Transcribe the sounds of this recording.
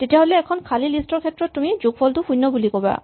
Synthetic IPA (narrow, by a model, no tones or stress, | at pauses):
tetaɦoleɛkʰɔnkʰalilisʈɔɾkʰet̪ːɾɔt̪ːumid͡ʑuɡfɔld̪ukujnːɔbulikɔba̰